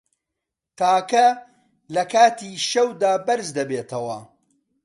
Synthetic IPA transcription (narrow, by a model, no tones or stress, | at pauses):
t̪aːkɐ | lɐkaːt̪iːʃɐwd̪aːbɐɾzd̪ɐbeːt̪ʰɐwɐ̰